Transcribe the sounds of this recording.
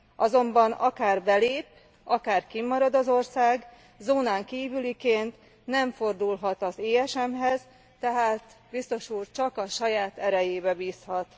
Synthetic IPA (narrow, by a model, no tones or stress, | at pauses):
ʔɒzo̞mbɒnɒkaːrbɛleːp | ɒkaːrkimːɒɾɒd̪ɒzo̞rsaːɡ | zoːnaːŋkiːvylikeːnt̪ | nɛɱfo̞rd̪ulɦɒt̪ɒzeːɛʃɛmɦɛz | t̪ɛɦaːt̪bist̪o̞ʃuːrt͡ʃɒkɒʃɒjaːt̪ɛɾɛjeːbɛbiːshɒt̪